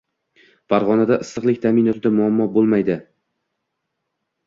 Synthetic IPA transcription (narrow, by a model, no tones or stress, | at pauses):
faɾʁɒnad̪aʔɪsːɨqlˠɪkʲt̪ʰamɪnɒt̪ʰɪd̪amʊamːɒbolˠmajd̪ɪ